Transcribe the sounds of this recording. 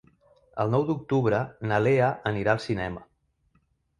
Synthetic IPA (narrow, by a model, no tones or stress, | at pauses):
ə̰lˠnɔwd̪uk̚t̪uβɾənəleəəniɾaəlˠsinɛmə